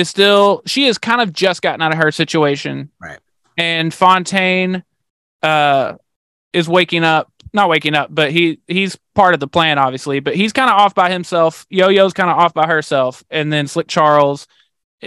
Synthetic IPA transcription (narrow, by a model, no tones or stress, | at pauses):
ɨzstɪlˠʃiɨz̥kʰãɪ̃ndʌvd͡ʒʌsɡ̥ɑʔɪ̃ŋaɾɨə˞sɪt͡ʃueɪʃɨ̰̃nɹaɪt̚ | ɨ̃nfɑ̃ntʰẽɪ̃n | ʌ | ɨzweɪkɪ̃ŋʌp̚nət̚weɪkɪ̃ŋʌp̚b̥ʌt̚ɦihiz̥pʰɑɹɾʌvðəpʰl̥æ̃nɑbviɨslibʌt̚hiz̥kʰãɪ̃ndəɔfb̥aɪhɨ̃msɛlˠfjoʊjoʊzkʰãɪ̃ndəɔfb̥aɪə˞sɛlˠfɨ̃nðɨ̃nslɪk̚t͡ʃʰɑɹl̩ˠz̥